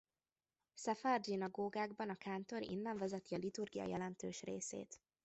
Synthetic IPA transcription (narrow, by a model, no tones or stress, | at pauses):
sɛfard͡ʒinɒɡoːɡaːɡbɒnɒkaːnt̪o̞ɾḭnːɛɱvɛzɛt̪iɒlit̪urɡijɒ̰jɛlɛnt̪øːʃrḛːsḛːt̪